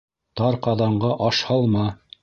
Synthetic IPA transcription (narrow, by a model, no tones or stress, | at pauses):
t̪ɑɾqɑðɑɴɢɑʔɑʃhɑlˠmɑ